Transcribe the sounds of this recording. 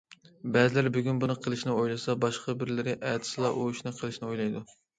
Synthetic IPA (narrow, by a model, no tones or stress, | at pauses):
bɛzɪlæɾbyɡʲynbunɨqʰəlˠɨʃnɪojlˠɨsɑbɑʃqɑbɪɾlɪɾɪʔɛt̪ʰɪ̥sɨlˠɑʔuyʃnɨqʰəlˠɨʃnɪojlˠɑjd̪u